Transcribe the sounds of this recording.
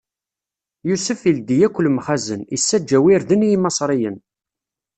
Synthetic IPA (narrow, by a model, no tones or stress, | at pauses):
jusəfild̪ijækʷːəlmχæzənḭsːæd͡ʒːæwiɾðənijmɑsˤɾˤijən